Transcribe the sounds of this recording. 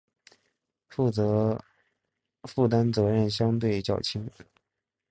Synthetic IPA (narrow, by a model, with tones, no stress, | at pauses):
fu˥˩t̪a˥nt͡sɤ˧˥ɻə˥˩nɕjɑ˥ŋt̪̬we˥˩ɪt͡ɕjɑ˥˨˩ʊt͡ɕʰi˥ŋ